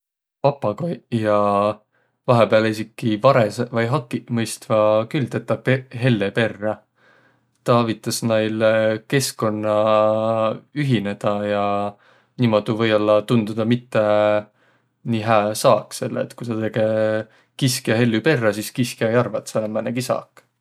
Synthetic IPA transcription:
pɑpːˑɑɡɑjɑ | vɑɦepeɑlisikːˑivɑɾesvɑjɦɑkːˑimɤjst̪vɑkylt̪et̪ːɑpeɦe̞lːepe̞rːɑ | t̪ɑɑvit̪ːˑɑsnɑjlke̞sko̞nːɑ | yɦine̞d̪̥ɑjɑ | niːmo̞d̪̥uvɤ̞jolːɑt̪und̪ud̪̥ɑmit̪ːe | niːɦæːsɑːkse̞lːḛːt̪ːkusɑt̪e̞ɡ̥e | kiskjɑɦe̞lːype̞rːɑsiskiskjɑejɑrvɑt̪senɑmæneɡ̥isɑ̰ːkˑ

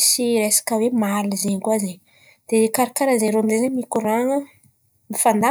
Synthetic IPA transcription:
siɾesḁkəwemalizeɲkuazeɲ | d̪̥ekaɾakaɾazeɲɾoamid̪ezeɲmikuɾaŋə | mifand̪a

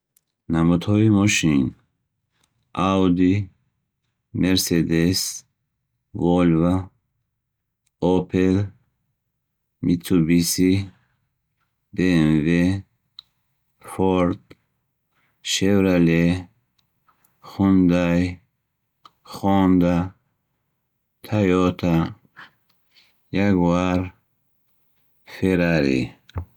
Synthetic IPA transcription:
namud̪hɔimɔʃin | awd̪i | meɾsed̪es | vɔlva | ɔpʰel | mit̪ʰubisi | benve | foɾt̪ | ʃewɾale | xund̪aj | xoːnd̪a | t̪ʰajot̪ʰa | jaɡwaɾ | feɾaɾḭ

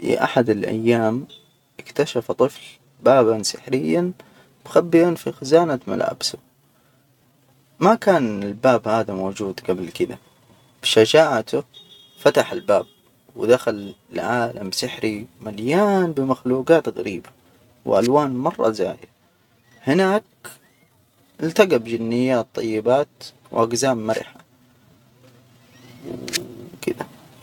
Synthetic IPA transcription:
ḭʔa̰ħad̪ɪlʔa̰jːaːm | ʔɪkt̪aʃaft̪ˤɨfl | baːbansɪħɾɪjːan | b̥xabːɪʔanfixazaːnama̰lʔa̰ːbsʊ | makaːnɪlbaːbhaːðamoːd͡ʒuːd̪ɡablkɪd̪a | b̥ʃad͡ʒaːʕat̪ʊ | fat̪aħɪlbaːb̚ | wɪd̪axalɪlʕaːlamsɪħɾimaljaːnbɪmaxluːɡaːt̪ɣa̰ɾiːba | wʔa̰lwaːnmɑrˤːɑ̰za̰ːja | hɪnaːk̚ | ʔɪlt̪aɡabd͡ʒɪnːɪjːaːt̪ˤːɑ̰jːɪbaːt̪ | wʔaɡzaːmːaɾɪ̰ħa | wkɪd̪a

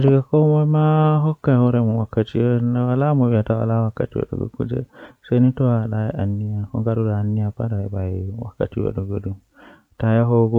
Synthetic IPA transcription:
d͡ʒiɡakɔmamaɦɔkːahɔɾɛmɔwakːatiwnawalamɔwiatawa̰lawakːatiwa̰ɗɔ̰ɡɔ̰ɡṵd͡ʒɛ̰senitɔwaɗajɛanːijakɔ̰ŋɡaɗudaːnːijapaɾaɛbaɛwa̰kːa̰tiwa̰ɗɔɡodum | tajaɦɔɡɔ

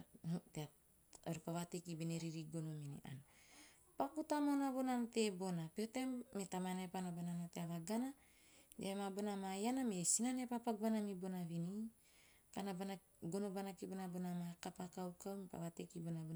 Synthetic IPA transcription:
tea | aɾupaβatekibineɾiɾiɡonominḭʔa̰n | pakutamonabo̞nante̞bo̞napeotemːetamanepanabananateaβaɡana | deamabonamajanamesinanepapakbanamibo̞naβini | kanabana | ɡo̞nobanakibonabonamakapakawkawmipa̰βatekibonabo

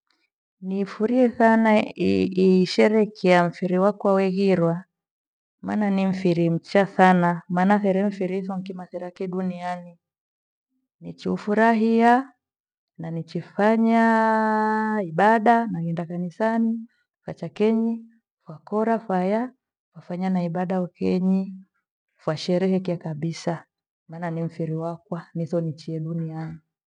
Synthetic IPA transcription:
nifuɾiɛsanaiʃɛɾɛkʰɛam̩fiɾiwakwawɛɣiɾwa | mananim̩fiɾim̩t͡ʃasanamaːnaθɛɾɛm̩fiɾiθɔŋkimaθɛɾakɛɗuniani | nit͡ʃiufuɾaɦia | nanit͡ʃifaɲa | iɓaɗanaɡɛndakanisani | fa̰t͡ʃakɛɲi | fwakɔɾafwaja | fwafaɲanaiɓaɗaɔkɛɲi | fwaʃɛɾɛhɛkiakaɓisa | maːnanim̩fiɾiwakwaniθɔnit͡ʃiɛɗunia

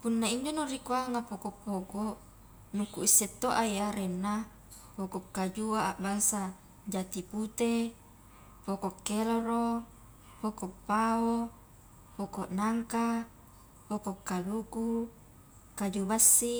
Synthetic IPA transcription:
punːaiɲd͡ʒonorikuaŋapokoʔpːokoʔ | nukuisːet̪ːoʔajaɾenːa | pokokːad͡ʒuaaʔbaŋsa | d͡ʒat̪iput̪e | pokokːeloɾo | pokopːao | pokoʔnaŋka | pokokːaluku | kad͡ʒubasːi

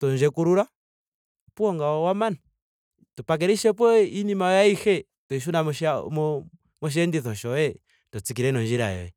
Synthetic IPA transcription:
tɔnd͡ʒɛkuɾuɾa | puɔŋɡaɔwamana | tupak̬ɛɾiʃɛp̬wɔinimajaihɛ | tɔiʃ̬unamɔm | mɔʃ̬ɛndiθɔʃɔɛ | tɔt͡sik̬iɾɛnɔnd͡ʒiɾa̰jɔ̰ɛ

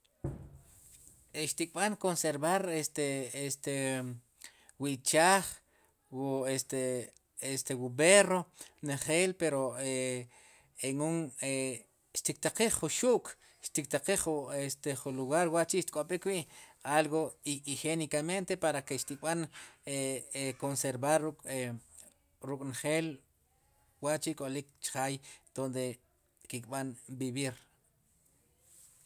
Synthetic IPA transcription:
eʃt̪ikʼɓaŋkonseɾβaɾest̪eest̪e | wiʔt͡ʃaːχ | wuest̪e | est̪ewuberoneχeːlpeɾoe | eŋuŋe | ʃt̪ik̚t̪aqiχːuʃuʔkʰʼ | ʃt̪ik̚t̪aqiχuest̪eχuluɣaɾwaʔt͡ʃiʃt̪i̥kʼoɓikwiːʔalɣoiixenikament̪epaɾakeʃt̪iɓaneekonseɾbaɾukʼ | ɾukʼnχeːl | waʔt͡ʃikʼolik̚t͡ʃχaːjd̪̥ond̪e | kikʼɓanbiβiɾ

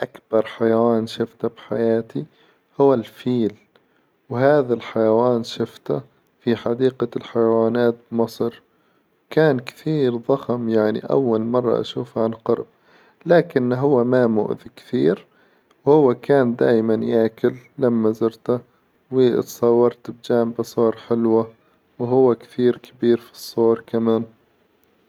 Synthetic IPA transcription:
ʔakbɑɾˤħajawaːnʃɪft̪abħajaːt̪i | hʊwːalfiːl | whaːðalħajawaːnʃɪft̪a | fiħad̪iːqalħajawaːnaːt̪̚bmɑsˤɾ | wkaːnkθiːɾðˤɑxmjaʕnḭʔa̰wːalmɑrˤːɑ̰ʔa̰ʃuːfʕanqɑɾb̚ | laːkɪnɦʊwːamamʊ̰ʔðikθiːɾ | whʊwːakaːnd̪aːjmanjaːkɪlːamːazɪɾt̪a | wɪ̰t̪sˤɑwːɑɾˤt̪b̚d͡ʒaːmbasˤoːɑɾˤħɪlwa | wɦʊwːakθiːɾkʰɪbiːɾfi̥sˤːoːɾˤkamaːn

